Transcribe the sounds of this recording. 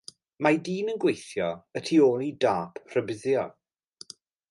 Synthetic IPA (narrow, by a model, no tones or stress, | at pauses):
madiːnənɡwejθjɔətʰioːlˠidaːpʰr̥əbɪðjɔ̰